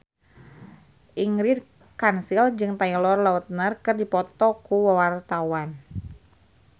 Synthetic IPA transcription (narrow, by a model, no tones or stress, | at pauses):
ʔiŋɾid | kansild͡ʒɨŋt̪ailɔrlaut̪̚nərkɨrdipɔt̪ɔkuwawart̪awan